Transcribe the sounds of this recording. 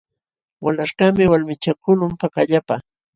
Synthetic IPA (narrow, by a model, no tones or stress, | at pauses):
walaʃɢɑmɪwalmɪt͡ʃakʊlʊmpakaʎapa